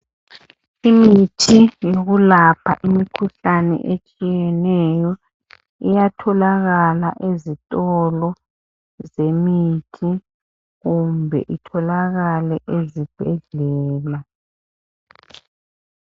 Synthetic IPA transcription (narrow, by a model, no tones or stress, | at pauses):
imitʰijoɣulapʰa̰ʔimikʰuɬanɛ̰ʔet͡ʃʼijɛnɛjɔ | ijatʰɔlaɣalaʔezitʼɔlɔ | zemitʰi | ɣumbʱɛ̰ʔitʰɔlaɣalɛʔezib̥ʱɛɮɛːla